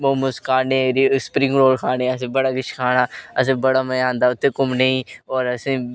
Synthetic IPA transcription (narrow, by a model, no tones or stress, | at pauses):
oːmʊskʰaːneɾispɾɪ̃ŋɡɾoːlkʰaːneːɐs̬ĩbɐɽaːɡɪt͡ʃʰkʰaːñaːɐs̬ĩbɐɽaːməjãːnd̪aːʊt̪ːekʊmnɐĩɔːɾɐsĩ